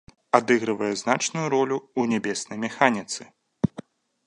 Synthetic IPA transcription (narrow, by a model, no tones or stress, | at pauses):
ad̪ɨɣɾɨvɐjɛznat͡ʂnujuɾɔlʲuunʲɛbʲɛsnɐjmʲɛxanʲit̪sɨ